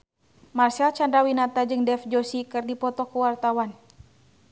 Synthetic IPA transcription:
marsalt͡ʃandɾawinat̪ad͡ʒɨŋdɛfd͡ʒosikɨrdipɔt̪ɔkuwart̪awan

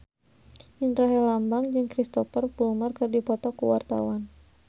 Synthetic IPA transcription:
ʔinrɔɦɛlambaŋd͡ʒɨŋkɾist̪ɔfərbulumarkɨrdipɔt̪ɔkuwa̰rt̪a̰wan

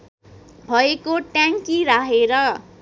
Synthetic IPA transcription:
bʱʌekoʈjaŋkiɾaɦeɾʌ

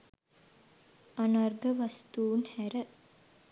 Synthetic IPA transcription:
anarɡəʋast̪uːnhæɾə

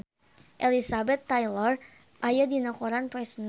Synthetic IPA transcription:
ʔelisabɛt̪ːajlər | ʔajadinakoɾanpɾɛsn

